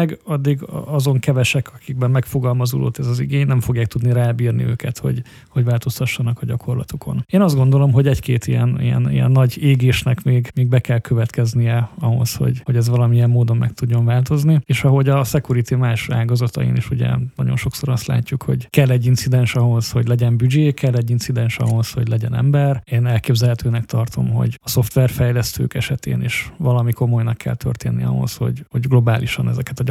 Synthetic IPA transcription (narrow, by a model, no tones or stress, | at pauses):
ɛɡɒd̪ːiɡ̰ɒzo̞ŋkɛvɛʃɛkʰɒkiɡ̚bɛmːɛkfo̞ɡɒlmɒzulo̰ːt̪ɛzɒziɡeːɲnɛɱfo̞ɡjaːk̚t̪ud̪niɾaːbiːrnḭø̰ːkɛt̪ho̞̰ɟ | ho̞ɟvaːlt̪o̞st̪ɒʃːɒnɒkɒɟɒkʰo̞rlɒ̰t̪ukʰo̞̰neːnɒzd̪ɡo̞nd̪o̞lo̞mɦo̞ɟɛckeːt̪ijɛnḭjɛ̰nḭjɛ̰nːɒɟeːɡeːʃnɛkmeːɡmeːɡ̚bɛkɛlkʰøvɛt̪kɛznijɛɒɦo̞̰sho̰ɟho̞ɟɛzʋɒlɒmijɛmːoːd̪o̞mmɛkt̪uɟːo̞ɱvaːlt̪o̞znieːʃɒɦo̞ɟɒsɛkuɾit̪imaːʃa̰ːlɡɒzɒt̪ɒ̰ḭniʃuɟɛ̰nɒɟo̞̰nʃo̞kso̞ɾɒst̪la̰ːcːukho̞̰ɟkɛlːɛɟːint̪sid̪ɛnʃɒɦo̞shoɟlɛɟɛmbyd͡ʒeːkɛlːɛɟːinsid̪ɛnʃɒ̰ɦo̞sho̞̰ɟlɛɟɛnɛ̰mbɛreːnɛlkeːbzɛlɦɛt̪øːnɛkt̪ɒrt̪o̞̰mɦo̞̰ɟɒso̞ft̪ʋɛrfɛjlɛst̪ø̰ːkɛʃɛt̪ḛːniːʃʋɒlɒmiko̞mo̞jnɒkːɛ̰lt̪ʰø̰rt̪eːnːḭɒ̰ɦo̞̰sho̞̰ɟho̞ɟɡlo̞baːliʃɒnɛzɛkɛt̪ɒ